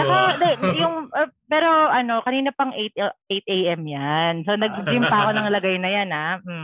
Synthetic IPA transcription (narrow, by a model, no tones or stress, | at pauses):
ɐkod̪ɛjʊŋɐpɛːɾo̞ʔɐno̞kɐniːnopɐŋʔet̪̚ʔejt̪̚ʔejʔɛmjanso̞nɐɡ̚d͡ʒɪmpɐko̞nɐŋlɐɡajnɐjanam̩